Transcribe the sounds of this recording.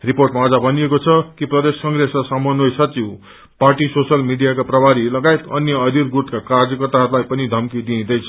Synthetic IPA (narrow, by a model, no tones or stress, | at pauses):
riporʈmaːd͡zʌbʱʌnijekot͡sʰʌkiprʌd̪eskʌŋɡresasamʌnojsʌt͡siw | parʈisosʌlmiɖijakaprʌbaɾilʌɡaet̪ʌ̰njʌʌd̪irɡut̪kakard͡zjʌkʌrt̪aɦʌɾulajpʌnid̪ʱʌmkid̪ĩd̪ʌjt͡sʰʌ̥